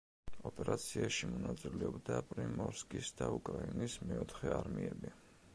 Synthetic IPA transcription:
ɔpʼɛɾat̪sʰiaʃimɔnat̪sʼilɛɔbd̪apʼɾimɔɾskʼisd̪aukʼɾainismɛɔt̪ʰχɛaɾmiɛbi

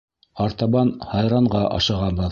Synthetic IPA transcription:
ɑɾt̪ɑβɑnhɑjɾɑɴʁɑʔɑ̰ʃɑʁɑbɤð

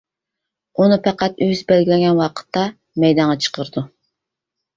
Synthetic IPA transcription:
unɨpʰɛqæt̪øzbælɡʲilɛŋʲɡʲɛnwɑqʰə̥t̪ʰːɑ | mɛjd̪ɑnʁɑt͡ʃʰə̥qʰəɾɨd̪u

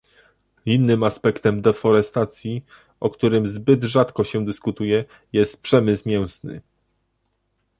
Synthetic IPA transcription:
inːɘmaspɛkt̪ɛmd̪ɛfɔɾɛst̪at̪sʲji | ɔkt̪uɾɘmzbɘd̪ʐat̪kɔɕɛd̪ɘskut̪ujɛ | jɛst̪̚pʂɛmɘsmʲjɛw̃snɘ̰

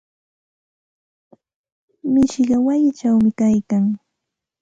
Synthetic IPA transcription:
mɪʃɢɑwajɪt͡ʃawmɪkajkaŋ

